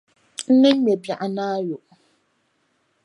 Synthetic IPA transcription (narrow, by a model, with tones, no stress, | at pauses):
n̩˦ne˦m̩˦me˨ba˨ʔa˨na˦a˦jʊ˨ʔ